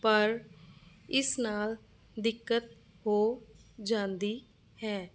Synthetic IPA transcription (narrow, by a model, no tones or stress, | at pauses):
pəɾ | ɪsnaːl | d̪ɪkːət̪̚ | hoːd͡ʒãːnd̪iː | hɛː